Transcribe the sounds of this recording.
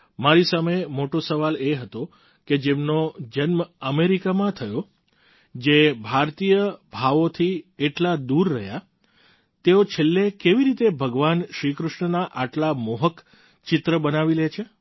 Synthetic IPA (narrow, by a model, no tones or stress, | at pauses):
maɾisamemoʈosəʋaleɦət̪o | ked͡ʒemnod͡ʒənməmeɾikamãt̪ʰəjo | d͡ʒebʱaɾt̪ijəbʱaʋot̪ʰieʈlad̪uɾːəɦja | t̪eot͡ʃʰelːekeʋiɾit̪ebʱəɡʋanʃɾikɾʊʃɳənaʔaʈlamoɦək | t͡ʃɪt̪ɾəbənaʋilet͡ʃʰe